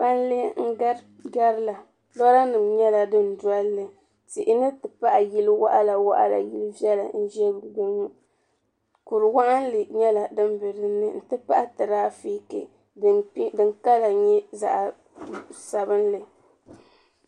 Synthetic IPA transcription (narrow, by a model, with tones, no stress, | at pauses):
pa˦n˦le˦ŋ̩˦ɡa˦ɾ | ɡa˦ɾla˨ | dɔ˦ɾa˦nɨ˨mɲɛ˦la˨dɨ˦ndwa˦lːɨ˨ | ti˨ʔɪ˨nɨ˦tɨ˨pa˦ʔa˨ji˦lwa̰˦ʔa˦la˨wa̰˦ʔa̰˦la̰˨ji˦lɨ˦vjɛ˦la̰˨n̩˦ʒɛ˦bɡu˦ŋu˦ | ku˨ɾɨ˨wa˦ʔa˦n˦lɨ˨ɲɛ˦la˨dɨ˦m˦bɨ˨ɾɨ˦nːɨ˨n̩˨tɨ˦pa˦ʔa˦tɨ˨ɾaː˦fi˦kḛ˨˦ | dɨ˨ŋka˦la˨ɲɛ˦za̰˨ʔ | sa˨bɨ˦n˦lɨ˨